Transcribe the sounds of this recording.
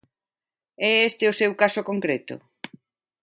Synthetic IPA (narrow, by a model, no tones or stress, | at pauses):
ɛest̪ɪʊsewkasokoŋkɾet̪ʊ̰